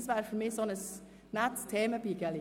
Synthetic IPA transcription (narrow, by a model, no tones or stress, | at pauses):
sʋæːɾfɔɾmiːsɔnəs | næt̪st̪ʰeːməbiːɡɛli